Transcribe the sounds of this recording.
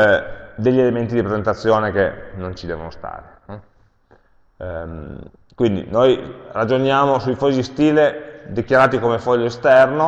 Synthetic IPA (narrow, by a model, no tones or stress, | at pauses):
d̪eʎːielement̪id̪ipɾezent̪at̪sːjoːnekenont͡ʃid̪ɛ̰ːvonost̪a̰ːɾe | kwind̪ḭnojrad͡ʒonjaːmosujfɔzd̪ist̪iːled̪ikjaɾaːt̪ikomefɔʎːoest̪ɛrno